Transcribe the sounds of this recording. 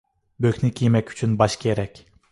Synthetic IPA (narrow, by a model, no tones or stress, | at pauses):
bøkʲnykʰʲijmɛkʲy̥t͡ʃʰynbɑʃkʲʰeɾɛkʲ